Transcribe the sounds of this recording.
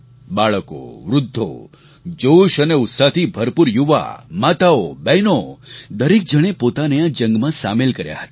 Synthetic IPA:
baɭəko̰ʋɾʊd̪ʱːo̰ | d͡ʒoʃəneʊt̪sat̪ʰibʱəɾpuɾjuʋa̰mat̪aobɛjnod̪əɾik̚d͡ʒəɽ̃epot̪aneãd͡ʒə̃ŋɡmãsamelkəɾja̰ɦə̥t̪a

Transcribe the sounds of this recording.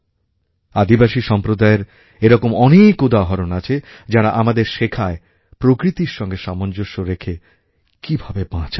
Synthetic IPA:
ad̪ibaʃiʃɔmpɾod̪aeɾ | eɾɔkomɔnekud̪aɦɔɾonat͡ɕʰe | d͡ʑaɾaʔamad̪eɾʃekʰae | pɾokɾit̪iɾʃɔŋɡeʃamond͡ʑoʃːoɾekʰe | kibʱabebãt͡ɕʰa

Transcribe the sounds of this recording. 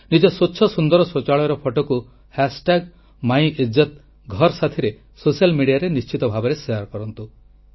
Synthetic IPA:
nid͡ʒɔsotːʃʰɔsund̪ɔɾɔsot͡ʃaɭɔɔɾɔpʰɔʈɔku | hasʈaɡ | maj̃ed͡ʒɔt̪ | ɡʱɔɾsat̪ʰiɾe | sosialmiɽiaɾenist͡ʃit̪ɔbʱabɔɾeseaɾkɔɾɔnt̪u

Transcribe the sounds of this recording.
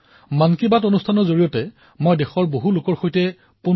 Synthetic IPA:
mankibatonustʰanɔzoɹijɔtɛ | mojdɛxɔɹboɦulʊkɔɹxojtɛ | pu

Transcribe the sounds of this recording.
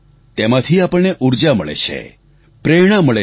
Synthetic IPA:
t̪emãt̪ʰiapəɭneʔuɾd͡ʒaməɭḛt͡ʃʰḛ | pɾeɽ̃ãməɭe

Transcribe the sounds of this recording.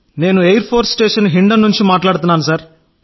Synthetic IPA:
ne̞ːnuejɐɾpʰoːɾsʈeːʂɐnɦiɳɖɐnːuɲt͡ʃimaːʈlaːɽt̪unːaːnus̬ɐːɾ

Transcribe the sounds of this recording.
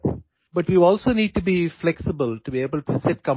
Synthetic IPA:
bʌʈʋiːɔːlsoːniːɖ̚ʈubiflɛksɪbəlʈubieːbəlʈusɛʈ̚kʌ̃

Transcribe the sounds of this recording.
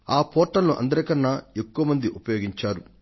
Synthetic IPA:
aːpɔːʈːɐnnuʔɐ̰nd̪ɐɾɐkɐnːae̞kːuʋɐmɐnd̪iʔupɐjoːɡiɲt͡ʃaːɾu

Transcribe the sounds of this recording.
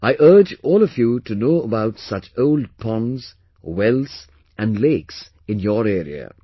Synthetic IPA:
aɪʔɜ˞d͡ʒɔːlˠɔvjutɨnoːəbaʊtsʌt͡ʃoʊld̚pʰɔ̃nz̥ | wɛlˠs | ʔæ̃nleɪks | ɨ̃njɔɾɛɹḭə̰

